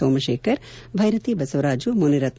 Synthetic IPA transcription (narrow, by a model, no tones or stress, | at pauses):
ɐːmɐʃeːkʰɐɾ | bʱɐjɾɐt̪ibɐsɐʋɐɾaːd͡ʒumuniɾɐt̪